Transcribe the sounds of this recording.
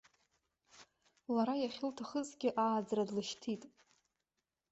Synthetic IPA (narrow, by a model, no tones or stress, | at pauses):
laɾajaχʲɪltʰaχəzʼɡʲɪʔaːd͡zradlɨʃtʰitʼ